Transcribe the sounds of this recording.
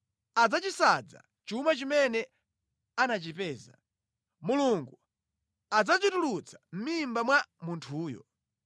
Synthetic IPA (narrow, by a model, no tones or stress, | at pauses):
ad͡zat͡ʃisad͡za̰ | t͡ʃumat͡ʃimɛnɛ | anat͡ʃipɛːza | muluŋɡu | ad͡zat͡ʃitulut͡sʰḁm̩mimbamwamuntʰuːjɔ̰